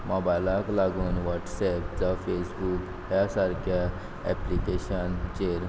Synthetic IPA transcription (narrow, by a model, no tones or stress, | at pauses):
mɔbajlaklaɡuːnʋɔʈsɛp̚d͡zafesbuk | ɦjasaɾkʰja | ɛplikeɕənt͡ɕeɾ